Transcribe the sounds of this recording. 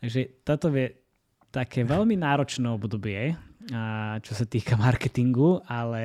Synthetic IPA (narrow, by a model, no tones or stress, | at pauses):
t̪aɡʒɛt̪at̪ɔʋjɛ | t̪akʰɛːʋɛlminaːɾɔt͡ʃnɛːɔbd̪ɔbɪɛ | t͡ʃɔsat̪iːkamaɾkɛt̪iŋɡualɛ